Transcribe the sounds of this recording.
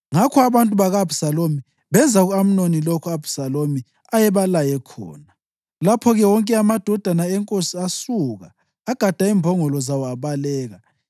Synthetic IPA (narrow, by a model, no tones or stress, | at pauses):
ŋakʰɔaβantʼuβaɣab̥ʱu̥salomi | βɛnd͡zʱaɣuam̩nonilokʰuab̥ʱu̥salomi | ajɛβalajɛkʰɔ̰ːna | lapʰɔɣɛwɔŋkʼɛamad̥ʱɔd̥ʱanaɛŋkʼosiasuɣa̰ː | ɡ̥ʱad̥ʱaiːmbʱɔŋɔlɔzawɔaβalɛːɣa